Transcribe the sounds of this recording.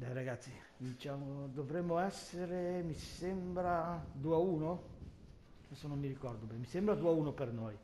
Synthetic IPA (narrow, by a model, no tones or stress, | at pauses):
bɛɾaɡat̪sːi | d̪it͡ʃamod̪ovɾɛmːoɛsːeɾemisɛmbɾad̪uːauːno | ɛsonomːiɾikɔrd̪obɛmisɛmbɾad̪uauːnopernoj